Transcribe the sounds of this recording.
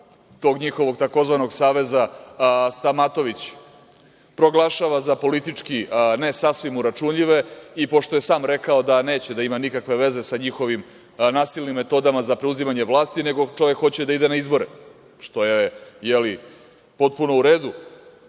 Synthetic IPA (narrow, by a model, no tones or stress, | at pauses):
t̪o̞ːɡɲixo̞ʋo̞ɡt̪ako̞zʋano̞ɡsaːʋe̞zast̪amat̪o̞ʋit͡ɕ | pɾo̞ɡlˠaʃaʋazapo̞lit̪it͡ʂkine̞sasʋimuɾat͡ʃunʎiʋe̞ipo̞ʂt̪o̞je̞saːmɾe̞kao̞d̪ane̞ːt͡ɕed̪aimanikakʋe̞ʋe̞ze̞saɲixo̞ʋim | naːsilʲˠnimːe̞t̪o̞d̪amazapɾeuzimaɲe̞ʋlˠaːst̪ine̞ɡo̞t͡ʃo̞ʋe̞kxo̞t͡ɕed̪aid̪e̞naizbo̞ɾe | ʃt̪o̞jeejeli | po̞t̪̚puno̞uɾe̞ːd̪u